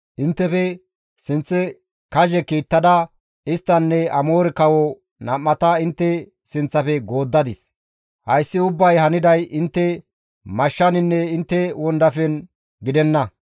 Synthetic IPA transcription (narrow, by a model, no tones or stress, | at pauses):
ʔɪnt̪ːɛfɛ | sɪnt͡sːɛ | kɐʒɛkiːt̪ːɐd̪ɐ | ɪst̪ːɐnːɛɐmo̞ːɾɛkɐwɔ | nɐmːɐt̪ɐɪnt̪ːɛ | sɪnt͡sːɐfɛɡo̞ːd̪ːɐd̪ɪs | hɐjsːɪʊbːɐjhɐnɪd̪ɐjɪnt̪ːɛ | mɐʃːɐnɪnːɛɪnt̪ːɛwɔnd̪ɐfɛn | ɡɪd̪ɛnːɐ